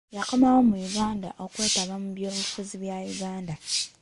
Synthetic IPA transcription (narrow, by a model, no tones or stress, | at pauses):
jakomawomuiɡaːnda̰ʔo̞kwe̞ːtaβamuβjoːβufuziβjajuɡaːnda